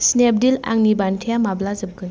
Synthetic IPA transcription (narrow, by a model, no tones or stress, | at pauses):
snep̚dila̰ŋnibantʰijamablazɯp̚ɡɯn